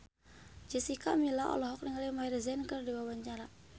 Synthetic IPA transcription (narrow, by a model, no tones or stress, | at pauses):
d͡ʒɛsikamilaɔ̰lɔɦɔk̚niŋalimairzɛnkərdiwabaɲt͡ʃaɾa